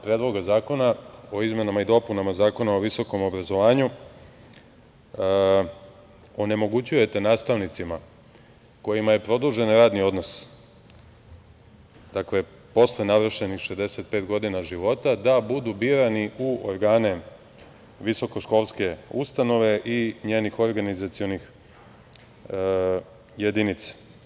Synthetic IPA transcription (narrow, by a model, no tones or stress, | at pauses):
pɾed̪lˠo̞ɡazaːko̞nao̞izme̞namaid̪o̞punamazaːko̞nao̞ʋiso̞ko̞mo̞bɾazo̞ʋaːɲu | o̞ne̞mo̞ɡut͡ɕuje̞t̪e̞naːst̪aʋnit̪sima | ko̞jimaje̞pɾo̞d̪uʒe̞nɾaːd̪nio̞d̪no̞s | d̪̥akle | po̞slenaʋr̩ʃe̞nixʃed̪e̞se̞t̪̚pet̪ɡo̞d̪inaʒiʋo̞t̪ad̪abud̪ubiɾaniʔuo̰ɾɡaːne̞ | ʋiso̞ko̞ʃko̞lˠske̞ust̪ano̞ʋe̞ʔiɲeːnixo̞ɾɡanizat̪sio̞nix | jed̪init̪sḁ